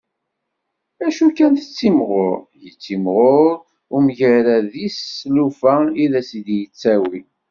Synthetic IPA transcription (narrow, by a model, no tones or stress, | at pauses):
æʃukːænθət͡sːimʁoɾjət͡sːimʁoɾ | ʊmʝəɾæðisːlufæiðæsid̪jət͡sːæwi